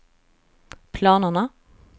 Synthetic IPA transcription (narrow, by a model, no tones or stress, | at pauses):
pʰlɑːnənə